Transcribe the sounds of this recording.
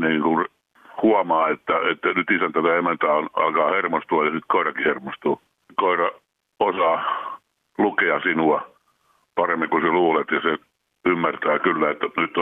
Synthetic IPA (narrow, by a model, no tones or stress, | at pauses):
niːŋkun | huɑmɑːet̪ːæet̪ːænyt̪isænt̪æt̪æemænt̪æonɑ̰lkɑːhermost̪uɑjɑsit̪koirɑkihermost̪uː | koirɑ | osɑː | lukeɑsinuɑ | pɑremːiŋkuseluːlet̪jɑse | ymːært̪æːkylːæet̪ːænyt̪ː